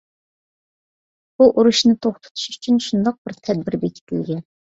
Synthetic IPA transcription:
b̥uʔuɾuʃnɨt̪ʰoχt̪ʰʊ̥t̪ʰu̥ʃy̥t͡ʃʰynʃund̪ɑq̚bɪɾt̪ʰɛd̪̚bɪɾbek̪ʲʰɪ̥t̪ʰɪlɡʲɛn

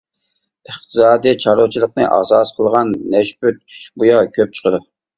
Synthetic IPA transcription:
əχt̪ʰɨsɑːd̪it͡ʃʰɑɾot͡ʃʰilˠəqnɨʔɑ̰sɑsqʰəlˠʁɑnːɛʃpyt͡ʃʲʰy̥t͡ʃbujɑkʲʰøp̚t͡ʃʰə̥qʰəd̪u

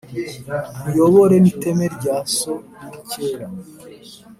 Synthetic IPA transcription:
mujo̞βo̞ɾe̞nite̞me̞ɾɟaːso̞muɾiceːɾa

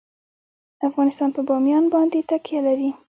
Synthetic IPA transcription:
əafɣɑnɪst̪ɑnpəbɑmjɑnbɑnd̪et̪akjalaɾi

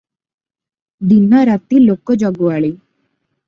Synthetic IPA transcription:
d̪inaɾat̪iːlokɔd͡ʒɔɡʋaɭi

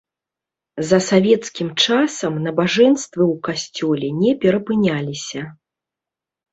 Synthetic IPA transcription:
zɐsavʲɛt̪skʲimt͡ʂasɐmnɐbaʐɛnst̪vɨwkasʲt͡sʲɔlʲɛnʲɛpʲɛɾɐpɨnʲalʲisʲɐ

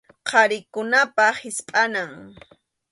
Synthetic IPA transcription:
qʰɑɾɪkʊnapahɪspʼanaŋ

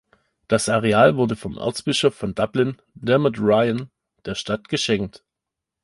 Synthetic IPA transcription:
d̥asaʁeaːlvʊɐdəfɔmʔa̰ɐt͡sb̥ɪʃɔfːɔndablɪn | dɛmɪdʁaɪən | d̥eːɐʃtatɡ̥əʃɛŋk̚t

